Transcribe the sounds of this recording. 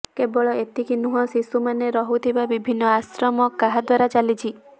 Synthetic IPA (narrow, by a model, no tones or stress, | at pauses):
kebɔɭɔet̪ikinuɦɔ̃sisumaneɾɔɦut̪ʰibabibʱinːɔasɾɔmɔkaɦad̪waɾat͡ʃalit͡ʃʰi